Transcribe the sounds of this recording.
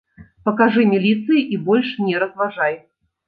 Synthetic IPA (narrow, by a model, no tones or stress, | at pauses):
pɐkaʐɨmʲilʲit̪sɨjiʔibɔlʲʂnʲɛɾɐzvaʐaj